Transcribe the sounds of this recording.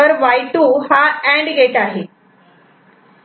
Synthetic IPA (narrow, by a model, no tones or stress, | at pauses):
əɾʋajʈuːhaɛ̃ɳɖɡeʈaɦe